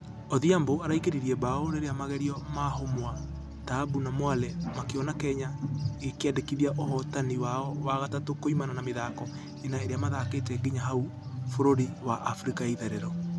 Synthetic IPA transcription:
oðiamboaɾaikeɾiɾiɛbaoɾeɾeamaɣɛɾiɔmaɦomwa | taːbunamwalɛmakeɔnakɛɲaɣekeɛdekiðiaʔohɔtaniwaɔwaɣatatokoimananameðaːkɔ | enaeɾeamaðaketɛɡiɲaɦau | foɾoɾiwaʔafɾikaiðɛɾɛɾɔ

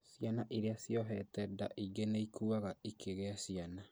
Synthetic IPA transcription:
sjanaʔiɾeasjɔɦɛtɛdaʔiɡeneikʰuːaɣaikʰeɣeasiana

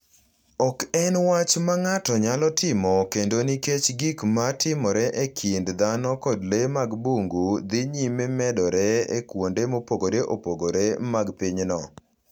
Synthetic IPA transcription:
ɔkɛnwat͡ʃmaŋatɔɲalɔtɪmɔkendoniket͡ʃɡikmatʰɪmɔɾɛʔekʰindd̪anɔkɔdlemaɡbuŋɡud̪ɪɲimemɛdɔɾɛḛkwondemopoɡoɾeʔopoɡoɾemaɡpiɲnɔ

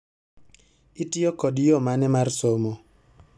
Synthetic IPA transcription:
itiokɔdjomanɛmarsomo

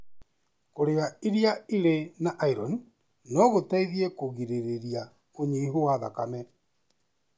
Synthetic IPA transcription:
koɾeɣaiɾiaiɾenaʔaiɾɔn | nɔɣotaiðiɛkoɣiɾeɾeɾia | oɲiiɦoaða̰kamɛ

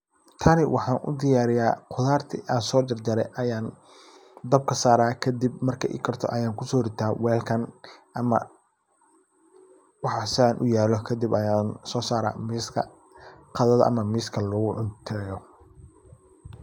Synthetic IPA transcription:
t̪ʰɐnɪwʔɑħɑːnʔʊ̰d̪ɪjaːɾɪjaːqʰʊðaːrt̪ʰɪʔaːnsɔːd̪ɐrd͡ʒɐɾɛ̰jʔɐjaːn | d̪ɐb̚kʰɐsaːɾaːkʰɐd̪ibmɐrkʰɐʔɪ̰kʰɐrt̪ʰɔ̰ʔɐjaːŋkʰʊsɔːɾɪt̪ʰaːwɛːlkʰɐnʔɐmɐ̰ | wɑħɑsaːnʔʊ̰jaːlɔkʰɐd̪ibɐjaːnsɔːsaːɾa̰ːmiːskʰɐ̰ | qɑðɐðɐ̰ʔɐ̰mɐmiːskʰɐlɔɣʊʕʊnt̪ʰɛjɔ

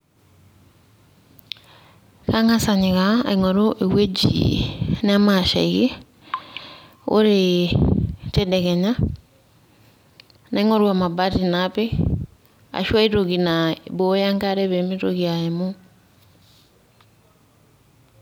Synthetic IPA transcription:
kaŋasaɲekaa̰iŋɔɾoʔewed͡ʒḭnamaʃa̰iɣe | o̰ɾe | tedɛkɛɲa | naiŋɔɾuamabatinape | a̰ʃwaitoɣinabojaŋkaɾeβemiɾoɣiaemo

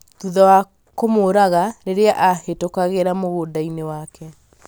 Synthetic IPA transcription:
tuðawa | komoɾaɣaɾeɾeaʔahetokaɣeɾamoɣoːdainewakʰɛ

